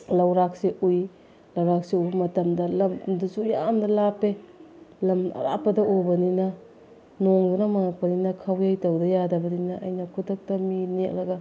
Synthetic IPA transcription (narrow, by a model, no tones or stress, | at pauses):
lɐwɾak̚seʔuj | lɐwɾak̚seubɐmɐtɐmdɐlɐmdusujamdɐlapelɐmɐ̰ɾa̰pːɐdɐobɐninɐ | noŋbunamaŋak̚pɐninɐkʰawjajtɐwdɐjadɐbɐdinɐʔːjnɐkʰutɐk̚tɐminet̚lɐɡɐ